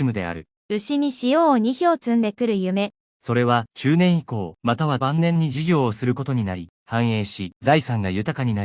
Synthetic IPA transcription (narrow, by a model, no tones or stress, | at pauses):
imɯ̟d̪e̞̰a̰ɾɯ̟ | ɯ̟ɕiɲ̟iɕijoːɲ̟içoːt͡sɨ̃nd̪e̞kɯ̟ɾɯ̟jɯ̟me̞ | so̞ɾe̞βat͡ɕɨːnẽ̞ɰ̃iko̞ːmat̪aβabãnːẽ̞ɲ̟ːiʑiɡʲo̞ːsɨɾɯ̟ko̞t̪o̞ɲ̟inaɾʲi | hãɰ̃e̞ːɕizaisãŋɡajɯ̟t̪akaɲ̟inai